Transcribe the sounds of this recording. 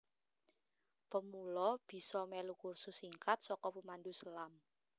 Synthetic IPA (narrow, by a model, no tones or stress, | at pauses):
pəmulɔb̥i̤sɔmelukursʊsiŋkat̪̚sɔkɔpəmandusəlam